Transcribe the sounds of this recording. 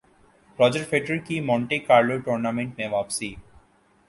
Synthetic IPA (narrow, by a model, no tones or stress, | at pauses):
pɾɔːd͡ʒek̚ʈfʰeːʈɾəɾkimɔ̃ːɳʈekaːɾloːʈoːɾnamẽɳʈmẽʋaːpsiː